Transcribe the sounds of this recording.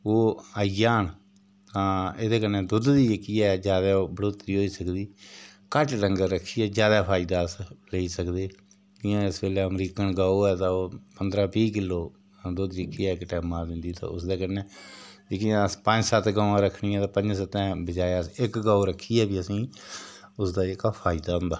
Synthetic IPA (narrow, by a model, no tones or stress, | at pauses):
oːajaːn | ãed̪eːkənɛ̃ːd̪ʊd̪d̪ijəkːiːɛːd͡ʒjaːd̪aːbəɽoːt̪əɾiːɦoːiːsəkd̪iːkəʈɖəŋɡəɾəkʰːiːɛːd͡ʒjaːd̪aːpʰaːɪd̪aːəsleiːsəkd̪eː | ɪãːɪsbeːleːəmɾiːkənɡaːoːɛːt̪ãːoːpənd̪ɾaːpiːk̬ɪlːoː | d̪ʊd̪jəkːiːɛːɪkʈɛːmãːd̪ɪ̃nd̪iːt̪ã̰ːʊ̰sd̪eːkəɾnɛ̃ːd͡ʒɪkɪãspə̃ɲd͡ʒsət̪ʰɡaːãːɾəkʰːɳiːɛ̃ːt̪ãːpə̃ɲd͡ʒsət̪ɛ̃ːbəd͡ʒaːjsɪkɡaːoɾəkʰːiːɛːbiːəsĩː | ʊsd̪aːɪkaːpʰaːɪd̪aːɦʊ̃nd̪aː